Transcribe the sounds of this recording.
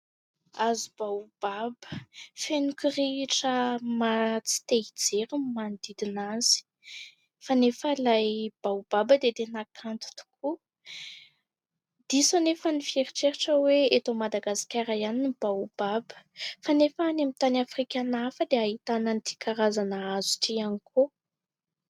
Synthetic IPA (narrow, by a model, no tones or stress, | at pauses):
azib̥awb̥abə̥fenukiriʈ͡ʂəmat͡si̥t̪eid͡zeɾumand̪id̪inaz̥i̥ | fanefəlajb̥awb̥abəd̪et̪enakʰant̪u̥t̪u̥kʰu | d̪̥isonefənifieɾiʈ͡ʂeɾiʈ͡ʂəweet̪omad̪aɡasi̥kʲaɾajaninib̥ab̥abə̥fanefanamit̪anafrikʲanafəd̪eaɦit̪anənit̪ʰi̥kaɾazanaazu̥t̪ianikʰo